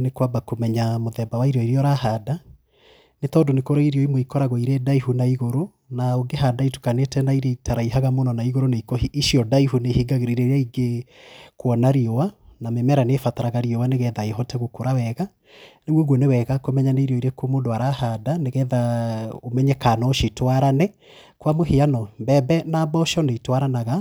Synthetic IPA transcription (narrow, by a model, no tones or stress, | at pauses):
nekwabakomɛɲamoðɛbawaiɾɔiɾiɔɾaɦada | netɔːdonekoɾaiɾiɔimoikɔɾaɣɔiɾedaiɦunaiɣoɾo | naoŋɡeɦadaitu̥kanetɛnaiɾetaɾaiɦaɣamonɔnaiɣoɾoneikoisiɔdaiɦunehiɡaɣeɾiɾeɾeaiɡekwɔnaɾiowanamemɛɾanefataɾaɣaɾiowaneɣɛðaeɦɔtɛɣokoɾawɛɣa | nemwoɣwɔnewɛɣakomɛɲaneiɾeɔiɾekomoːndoaɾahadaneɣɛðaomɛɲɛkanɔoʃitwaɾanɛ | kwamoɦeanɔmbɛbɛnabɔʃɔneitwaɾanaɣa